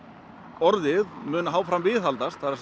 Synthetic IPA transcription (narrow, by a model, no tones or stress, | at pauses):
ɔɾðɪðmʏːnaɦaːwfɾamvɪːθɦalt̪ast̪θaɾs